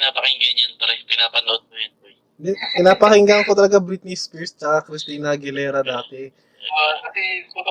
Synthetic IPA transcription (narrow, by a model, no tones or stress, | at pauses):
ɪnaːpɐkɪŋɡɐɲɐnpaːɾɐpɪnaːpɐlɐʔod̪̚kojɐno | ɪkɪnaːpɐkɪŋɡaŋko̞t̪ɐlɐɡabɾit̪̚niskɛɹst͡ʃɐkakɾɪst̪inɐɡɪlɛːɾɐd̪aːt̪ɛ